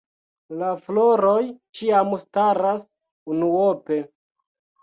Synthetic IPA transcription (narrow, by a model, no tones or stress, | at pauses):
lafloɾojt͡ʃiamstaɾas | unuope̞